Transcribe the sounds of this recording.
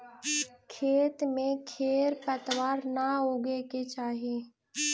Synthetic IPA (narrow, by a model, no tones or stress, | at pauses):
kʰeːt̪mẽkʰeːɾpət̪waːɾnaoːɡeket͡ʃaːɦie